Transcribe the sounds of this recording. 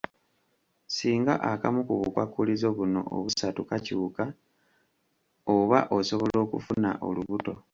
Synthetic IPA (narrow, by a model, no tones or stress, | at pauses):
siːŋɡa̰ʔakamukuβukwakːulizo̞βuno̞̰o̰βusatukacuːka | oβaʔo̞so̞βolo̞ːkufuna̰ʔo̞̰luβuto̞